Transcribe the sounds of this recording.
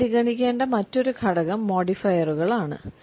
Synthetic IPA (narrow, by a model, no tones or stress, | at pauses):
iɣɐɳikʲːeːɳɖɐmɐtːo̞ɾukʰɐɽɐɣɐmːo̞ːɽifɐjɐruɣɐɭaːɳɨ̰